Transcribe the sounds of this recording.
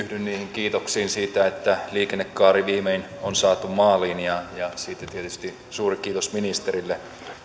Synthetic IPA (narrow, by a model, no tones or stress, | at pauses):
yhdynniːhiŋkiːt̪oksiːnsiːt̪æet̪ːæliːkenːekːɑːɾiʋiːmein | onsɑːt̪ummɑːlinijɑjɑsiːt̪ːæt̪iet̪yst̪i | suːrikiːt̪osminist̪eɾilːe